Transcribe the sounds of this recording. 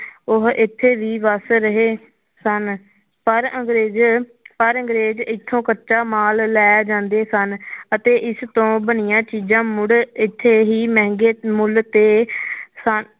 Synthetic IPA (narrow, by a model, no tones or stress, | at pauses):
ʊɦɪt̪ʰːeːʋiːʋəsɾəɦeː | sən | pəɾəŋɡɾeːd͡ʒpəɾəŋɡɾeːd͡ʒɪt̪ʰːõːkəʃaːmaːlːɛːd͡ʒãːnd̪eːsənət̪eːʔɪst̪õːbənɪjãːt͡ʃiːzãːmʊɽɪt̪ʰːeːɦiːmɛ̃ːŋɡeːmʊlt̪eːsən